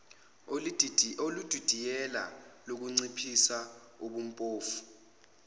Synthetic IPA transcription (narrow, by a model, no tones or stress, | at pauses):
olud̥ʱud̥ʱijɛla̰lok̬uŋ͡ǀipʰisa | uɓum̩pʼoːfu̥